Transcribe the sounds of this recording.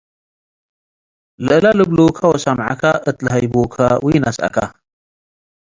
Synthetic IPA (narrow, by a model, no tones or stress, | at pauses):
lɨʔɨlalɨblokʰawɐsamʕa̰kʰaʔɨt̪lɨɦajbokʰawjnasʔa̰kʰa